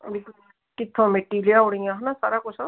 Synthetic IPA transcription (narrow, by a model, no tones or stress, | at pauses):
bɪkl | kɪt̪ʰːõmẽʈiːlijaʊɽĩãɦanasa̰ːɾakʊt͡ʃʰa